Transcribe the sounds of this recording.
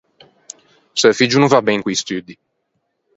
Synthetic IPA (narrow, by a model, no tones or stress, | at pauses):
səfid͡ʒunũvabɛŋkʷijst̪yd̪i